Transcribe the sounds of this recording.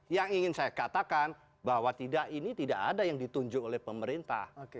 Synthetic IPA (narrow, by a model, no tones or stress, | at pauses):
jaŋiŋɪnsajakat̪akan | baɦwat̪idaʔinit̪idaʔa̰dajaŋdit̪uɲd͡ʒʊolɛhpəməɾint̪a̰hoke